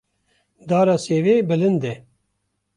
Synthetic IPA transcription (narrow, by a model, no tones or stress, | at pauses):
d̪aːɾaːseːveːbɨlɨnd̪ɛ